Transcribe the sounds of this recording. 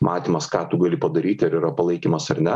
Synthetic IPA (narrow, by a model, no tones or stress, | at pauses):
mʔɑːt̪ʲiːmɐskɑːt̪uɡɑːlʲɪpɐd̪ɐɾʲiːt̪ʲɐɾiːɾɐpɐlˠɐɪkʲiːmɐsɐɾnʲɛ